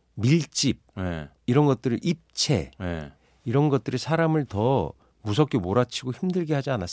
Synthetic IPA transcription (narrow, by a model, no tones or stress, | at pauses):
miɭt͡ɕ͈ip̚je | iɾʌnɡʌt̚t͈ɯɾɯʔip̚t͡ɕʰe̞ḛ | iɾʌnɡʌt̚t͈ɯɾisʰaɾamɯɭtʌ | mus̬ʰʌk͈emoɾat͡ɕʰiɡoçimdɯɭɡeɦad͡ʑianas͈